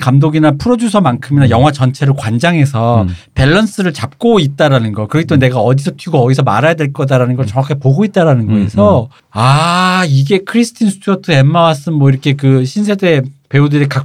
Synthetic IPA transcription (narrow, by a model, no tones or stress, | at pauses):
kamdoɡinapʰuɾʌd͡ʑusʰʌmankʰɯminajʌŋɦwat͡ɕʌnt͡ɕʰe̞ɾɯɭkwand͡ʑaŋɦe̞sʰʌpe̞ɭːʌns͈ɯɾɯɭt͡ɕap̚k͈oit̚t͈aɾanɯnɡʌɭkɯɾʌɡet͈one̞ɡaʌdisʰʌtʰɥiɡoʌdisʰʌma̰ɾajadwe̞ɭk͈ʌdaɾanɯnɡʌɭt͡ɕʌŋakʰe̞poɡoit̚t͈aɾanɯnɡʌesʰʌ | aiɡe̞kʰɯɾisʰɯ̥tʰinsʰɯ̥tʰuʌtʰɯe̞mːawas͈ɯnmwʌiɾʌkʰe̞kɯɕʰinsʰe̞de̞pe̞udɯɾeka